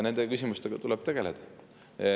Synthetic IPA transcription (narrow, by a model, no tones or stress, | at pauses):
ne̞nd̪ekysʲimust̪eɡ̥ɑt̪ulɛb̥̚t̪e̞ɡ̥e̞led̪̥ɑ